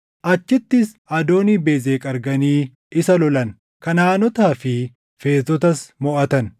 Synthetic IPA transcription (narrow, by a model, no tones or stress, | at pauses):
ʔɐt͡ʃːɪt̪ːɪs | ɐd̪o̞ːniːbe̞ːzeːkʼɐɾɡɐniː | ɪsɐlɔlɐn | kɐnaːnɔt̪aːfɪ | fe̞ːst̪ɔt̪ɐsmɔʔɐt̪ɐn